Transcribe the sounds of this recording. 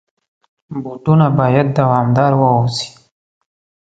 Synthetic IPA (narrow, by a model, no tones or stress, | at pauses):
buʈunabɑjad̪̚ːawɑːmd̪ɑɾwəosi̥